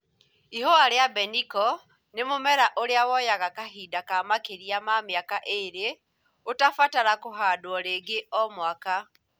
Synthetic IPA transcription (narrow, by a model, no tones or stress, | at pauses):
ihowaɾeabɛnikɔ | nemomɛɾaʔoɾeawɔjaɣakaɦiːdakamakeɾiamamjakaʔeɾe | otafataɾakoɦaːdwɔɾeɡeʔɔmwaka